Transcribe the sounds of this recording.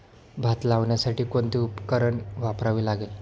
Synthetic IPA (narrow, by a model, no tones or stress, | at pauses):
bʱat̪laʋɳjasaʈiːkoɳt̪iːupkəɾəɳʋapɾaʋiːlaɡel